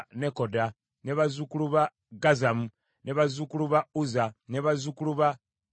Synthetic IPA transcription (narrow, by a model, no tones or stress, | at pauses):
ne̞koda | neβazukuluβa | ɡazamu | neβazukuluβauzaneβazukuluβa